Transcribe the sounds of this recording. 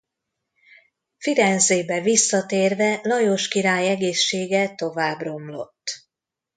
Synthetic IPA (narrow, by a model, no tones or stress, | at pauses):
fiɾɛnzeːbɛvisːɒt̪eːrvɛlɒjoʃkiɾaːjɛɡeːʃːeːɡɛt̪o̞vaːbro̞mlo̞̰t̪ː